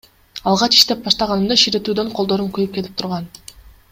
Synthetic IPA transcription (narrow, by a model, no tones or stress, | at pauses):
ɑlˠʁɑt͡ʃi̥ʃt̪e̞p̚bɑʃt̪ɑʁɑnɯmd̪ɑʃiɾe̞t̪yːd̪ø̞ɴqʰolˠd̪o̞ɾunkyjyp̚ke̞t̪i̥pt̪uɾʁɑn